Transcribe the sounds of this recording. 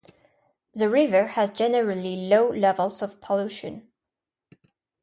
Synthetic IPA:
ðəɹɪvə˞hɨzd͡ʒɛnəɹəliloʊlɛvəl̩ˠzʌv̥pʰəluʃɨ̃n

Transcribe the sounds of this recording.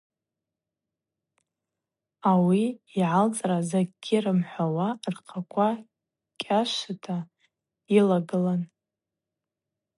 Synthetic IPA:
awiːʕalt͡sʼrazaɡɡʲirɨmħʷawarqʰakʷʰa | kʲʼaʃʷatʰa | ilaɡɨlan

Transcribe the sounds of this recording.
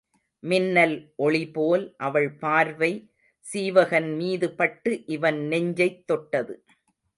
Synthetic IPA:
mɪnːɐlʔɔɭɪpoːlʔɐʋɐɭpaːɾʋɐɪ | siːʋɐɣɐnmiːðɯpɐʈːɯʔɪʋɐnnɛɲd͡ʒɐɪt̪ːɔʈːɐðɯ

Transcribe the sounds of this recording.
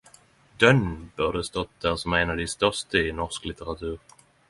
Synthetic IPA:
d̪̥œnbœʁd̪əst̪ɔt̪̚d̪æʁsɔmæɪnad̪ɪst̪œʁst̪əɪnɔʁsklɪt̪əʁat̪ʰʉːʁ

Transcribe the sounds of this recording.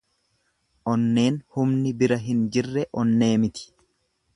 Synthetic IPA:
ʔɔnːe̞ːnhʊmnɪbɪɾɐɦɪnd͡ʒɪrːɛʔɔnːe̞ːmɪt̪ɪ̥

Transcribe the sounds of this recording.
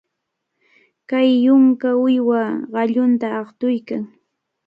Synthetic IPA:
kajːʊŋkaʊjwaɢɑʎʊnt̪aɑχt̪ʊjkaŋ

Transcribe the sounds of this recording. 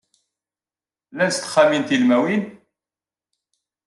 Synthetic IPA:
læst̪χæmint̪ilmæwin

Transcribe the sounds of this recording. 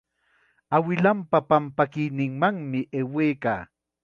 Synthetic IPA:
awɪlampapampakɪjnɪŋmaŋmɪʔeweːka̰ː

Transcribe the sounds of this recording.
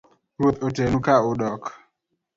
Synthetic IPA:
ɾwot̪otenukaʊɗɔk

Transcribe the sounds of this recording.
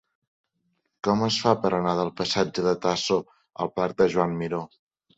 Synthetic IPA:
kɔməsfapəɾənaðəlˠpəsad͡ʒəðət̪aso | ə̰lˠpaɾk̚d̪əʒwamːiɾo

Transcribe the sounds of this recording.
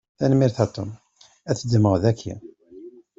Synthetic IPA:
θænmiɾθæt̪ˤːom | æθəd̪məʁðækʰːḭ

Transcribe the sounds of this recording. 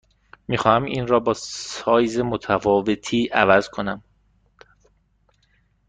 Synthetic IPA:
miːxɒːhæmiːnrɒːbɒːsɒːjzemot̪ʰæfɒːve̞t̪ʰiːʔævæz̥kʰo̞næm

